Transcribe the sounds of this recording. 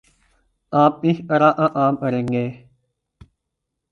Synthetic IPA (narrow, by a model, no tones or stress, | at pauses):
aːmp̚ĩhəɾãːʔãʔaːməɾẽːŋɡeː